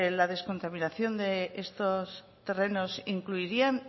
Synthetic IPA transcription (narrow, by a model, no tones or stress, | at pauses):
laðe̞sko̞nt̪aminaθjo̞nd̪eʔest̪os | t̪e̞re̞no̞siŋkluiɾian